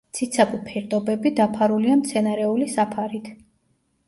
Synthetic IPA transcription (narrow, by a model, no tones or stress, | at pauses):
t̪sʰit̪sʰabupʰɛɾd̪ʼɔbɛbid̪apʰaɾuliamt̪sʰɛnaɾɛulisapʰaɾit̪ʰ